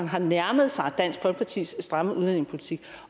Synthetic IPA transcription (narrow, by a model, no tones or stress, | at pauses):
ŋ̩ɦɑ̈næɐməð̞̩ˠsɑ̈ɪæd̥æn̰sɡ̥̚b̥ʰɒ̽lɡ̥̚pʰɑ̈t͡sʰḭːsːd̥ʁaməʔuðˠen̰e̝ŋspʰo̝lit͡sʰiɡ̥